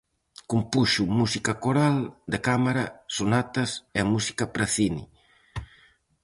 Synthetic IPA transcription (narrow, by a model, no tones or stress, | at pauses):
kumpuʃumusikakoɾald̪ekamaɾɐsunat̪ɐsemusi̥kapɾaθinḭ